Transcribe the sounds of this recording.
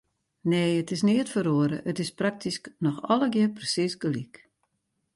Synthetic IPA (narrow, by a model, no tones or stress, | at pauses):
neːətɪsniətfəɾoəɾə̰ʔətɪsprak̚tʰisknɔxɔləɡɪəprəsisɡəlik